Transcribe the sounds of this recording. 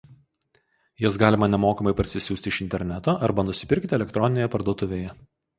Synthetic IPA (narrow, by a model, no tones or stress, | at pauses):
jɪs̬ɡɑːlʲɪmɐnʲɛmoːkɐmɐɪpɐɾʲsʲɪsʲuːst̪ʲɪɪʃɪnʲt̪ʲɛɾʲnʲɛt̪oːʔɐɾbɐnʊsʲɪ̥pʲɪɾʲˑkt̪ʲɪɛlʲɛkt̪ɾɔnʲɪneːjɛpɐɾd̪uɔt̪ʊʋʲeːjɛ